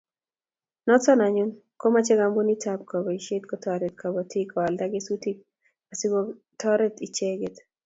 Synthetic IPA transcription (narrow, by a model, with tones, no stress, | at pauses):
nɔ˦t͡sɔ˦na˨ɲʊ˦n | ko˦ma˦t͡ʃɛ˦ɡa˨mbu˦ni˦tap̚kɔ˨bɔ˨i˨ʃe˦t̪̚kɔ˦tʰɔɾɛ˨t̪̚kʰɔ˨bɔ˨tʰi˦kɔ˨a˨lda˦ɡɪ˦su˦ti˦k̚ | a˨si˦ɡo | tɔ˦ɾɛ˦t̪i˨t͡ʃe˦ɡɪ˨t̪